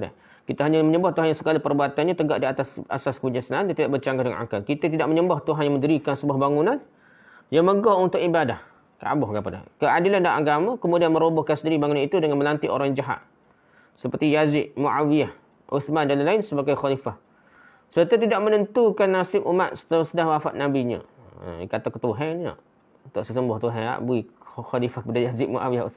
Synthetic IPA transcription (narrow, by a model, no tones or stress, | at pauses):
da̰ | kit̪aɦaɲaməɲəmbaht̪uɦanjaŋsəɡalapərbuat̪anɲat̪əɡa̰ʔdiat̪asa̰saskəud͡ʒansənaandiat̪idaʔbərt͡ʃaŋɡahdəŋa̰nʔa̰ka̰kit̪at̪idaʔməɲəmbaht̪uɦanjaŋmə̃ndəɾikansəbuahbaŋunan | jaŋməɡɔunt̪ʊkibadah | ka̰bʊhkapada̰kəʔadilandaaɡamakəmudianməɾobʊhkansəndiɾibaŋunanit̪udəŋanməlant̪ɪʔo̰ɾaŋjd͡ʒaɦa̰ʔ | səpərt̪ijazɪʔ̚muʔawijah | uθmandalalaɪnsəbaɡajxɔlifah | sərt̪at̪̬idaʔmənənt̪ukanːasɪpʔumat̪̚sə̥t̪əsədahwafa̰ʔ̪̚nabiɲə̰ | ə̰kat̪akət̪uɦɛnina̰ʔ̪ | t̪ʊʔsəsəmbʊht̪uɦaa̰ʔbuixɔlifahkəpadajazɪʔmuʔa̰wiahṵ